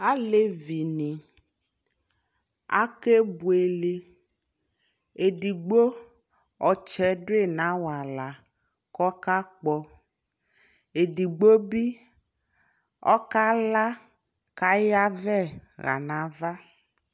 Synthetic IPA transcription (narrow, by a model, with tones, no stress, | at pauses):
a˦le˦vi˨nĩ˨ | a̰˦ke˦bu˨e˨le˨ | e˨ɖi˨ɡ͡bo˦ | ɔ˨t͡ʃɛ˨˦ɖo˦e˦˨nã˨˦wa˨la˨ | kɔ˦ka˦k͡pɔ˦ | e˨ɖi˨ɡ͡bo˦bi˦ | ɔ̰˦ka˦la˦ | ka˦ja˦vɛ˦˨ɣa̰˨nã˨va˦